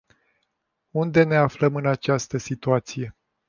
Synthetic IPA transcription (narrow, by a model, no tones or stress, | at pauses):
und̪e̞ne̞afləmɨnat͡ʃast̪əsit̪uat̪sije̞